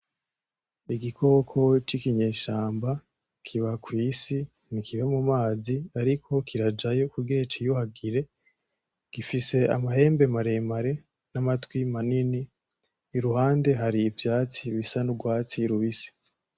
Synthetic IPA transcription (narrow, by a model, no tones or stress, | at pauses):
iɡikʰo̞kʰo̞t͡ʃikiɲeːʃaːmba | kʰiβakwiːsi | nikʰiβamumaːziaɾikʰo̞kʰiɾad͡ʒajo̞kuɡiɾet͡ʃijuhaɡiɾe̞ | ɡ̥ifise̞a̰maɦe̞ːmbe̞maɾe̞maɾe̞ | namatwimaniniː | ɾuhaːnde̞ɦaɾiːvjaːt͡siβisanuɡwaːt͡siɾuβisi̥